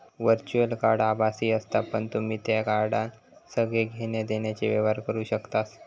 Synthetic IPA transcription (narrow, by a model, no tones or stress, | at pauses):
ʋəɾt͡ɕuəlkaɾɽabasiːəst̪apəɳt̪um̤iːt̪jakaɾɖãn | səɡɭeɡʱenjed̪eɳjat͡ɕiʋeʋaɾkəɾuːɕəkt̪as